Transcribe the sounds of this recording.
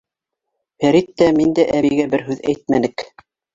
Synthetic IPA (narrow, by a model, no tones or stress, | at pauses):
fæɾit̪ːæmind̪æʔæβiɡæbɘɾɦʉðæjt̪̚mænɘk